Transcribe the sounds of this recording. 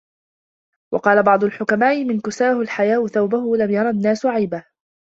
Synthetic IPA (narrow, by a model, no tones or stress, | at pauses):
wʔɑqɑːlabɑʕd̪ˤʊlħʊkamaːʔɪmɪnkʊsaːhʊlħajaːʔʊθawbahʊlamjɑɾˤɑnːaːsʊʕajbah